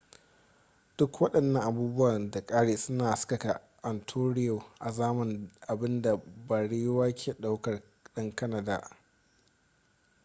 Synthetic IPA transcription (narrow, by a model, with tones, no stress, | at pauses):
d̥ʊ˦kwɐ˦ɗɐ˨nːɐ˦ŋʔa˨buː˦bʊ˦waː˨da˨kʼaː˦ɽeː˨sʊ˦naː˨sʊ̥˦kɐ˨ka˨ | ʔɐ˨ntʰoː˦ɽɪ˦jo˨ʔa˨zaː˦mɐ˨nʔa˨bɪ˦nda˨ba˨ɽi˦jwaː˦kʲʰeː˨ɗa˦wkɐ˨r | ɗɐ˦ŋkɐ˦nɐ˨da̰ː˨ʔ